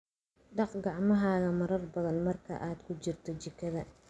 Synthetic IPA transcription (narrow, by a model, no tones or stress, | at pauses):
ɖɑqɡɑʕmɐɦaːɣɐmɐɾɐrbɐðɐnmɐrkʰɐ̰ʔaːd̪̥kʰʊt͡ʃɪrt̪ʰɔt͡ʃɪkʰːɐðɐ